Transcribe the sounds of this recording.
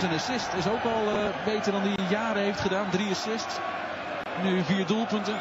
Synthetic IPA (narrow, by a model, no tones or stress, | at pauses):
zənasɪstɪsowkɔlˠbeːtərdɔndijaːɾəɦejftχədaːndriasɪst | nyviəɹdulˠpɵntən